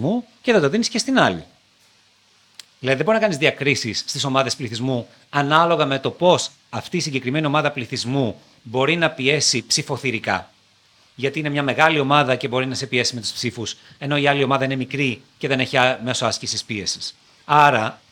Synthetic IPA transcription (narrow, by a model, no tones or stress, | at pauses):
mu | ceðed̪o̞ðinisce̞st̪inɐlḭ | ðilɐðiðebɾinɐkɐnizðiɐkɾisisːt̪iso̞mɐðe̞spliθizmu | ɐnɐlo̞ɣɐme̞t̪o̞po̞s | ɐft̪iːsiɲɟe̞kɾime̞nio̞mɐðɐpliθizmu | bo̞ɾinɐpie̞sipsifo̞θiɾikɐ̰ | ʝɐt̪iine̞mɲɐme̞ɣɐlio̞mɐðɐce̞bo̞ɾinɐse̞pie̞sime̞t̪u̥spsifuse̞no̞iɐlio̞mɐðɐine̞mikɾice̞ðe̞neçiɐme̞soɐscisispie̞si̥s | ɐɾɐ